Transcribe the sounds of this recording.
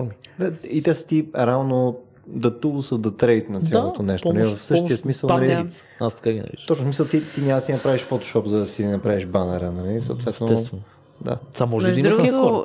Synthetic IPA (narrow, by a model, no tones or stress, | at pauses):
ɾmid̪ait̪ɛsə̥t̪iɾɛalˠno | d̪ɐt̪əlˠʊsəd̪ɐt̪ɾɛjt̪nɐt̪sjalˠot̪onɛʃt̪onɐlivɐfsɤt̪iəsmisəlˠnɐli | ast̪ɐ̥kaɡʲinɐ̰ḭʃt̪ɔt͡ʃnosmisəlˠt̪it̪inʲamɐd̪sinɐpɾaviʃfot̪o̥ʃɔpzɐd̪ɐsinɐpɾaviʒbanɛɾənɐlisə̰wt̪vɛt̪sɛs | d̪a̰samɔʒdɛʒiuɡ